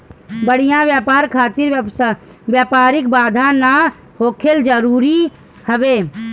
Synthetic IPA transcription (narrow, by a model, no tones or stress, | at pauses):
bəɽ̤ijãʋjaːpaːɾkʰaːt̪ɪɾsʋjaːpaːɾɪk̚baːd̪ʱana | hoːkʰeld͡ʒəɾuːɾi | həʋeː